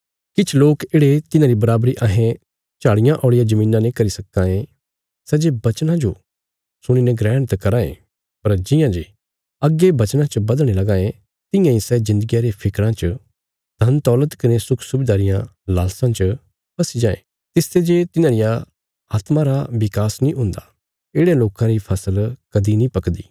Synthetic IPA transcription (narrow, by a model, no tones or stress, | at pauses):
kɪt͡ʃʰloːkeːɽet̪ɪnãːɾibɐɾaːbɾiʔaːɦẽ | t͡ʃaːɽɪjãʔoːɽɪjad͡ʒɐmĩːnãnĩkɐɾisɐkːãːẽ | sɛd͡ʒebɐt͡ʃnãd͡ʒo | sʊɽ̃inɛɡɾɛːɽt̪kɐɾãːḛ̃ː | pɐɾd͡ʒɪ̃jãd͡ʒeː | ɐɡːebɐt͡ʃnãt͡ʃəbɐd̪əɽ̃elɐɡãːẽ | t̪ɪ̃jãisɛzɪ̃nd̪əɡijaɾepʰɪkɾãt͡ʃə | d̪ʱɐnt̪ɔːlət̪kɐnesʊkʰsʊbɪd̪aːɾɪjãlaːlsãt͡ʃə | pɐsid͡ʒãːḛ̃ | t̪ɪst̪ʰed͡ʒeːt̪ɪnãɾɪja | aːt̪mãɾaʋɪkaːsnĩɦʊ̃ːnd̪a | eːɽeloːkãɾipʰɐsəlkɐd̪inĩpɐkd̪iː